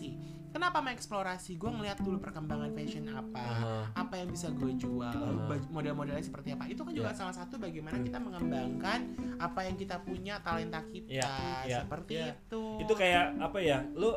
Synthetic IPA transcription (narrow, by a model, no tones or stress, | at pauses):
i | kənapamaɛksploɾasiɡuɛŋəliɦat̪̚dulupərkəmbaŋanfɛʃənapaapajaŋbisaɡuad͡ʒualbamodɛlmodɛlɲasəpərt̪iapait̪ukand͡ʒuɡasalasat̪ubaɡejmanakit̪aməŋəmbaŋkanapajaŋkit̪apuɲat̪alɛnt̪akit̪aɡisəpərt̪iːt̪uit̪ukajaapajalo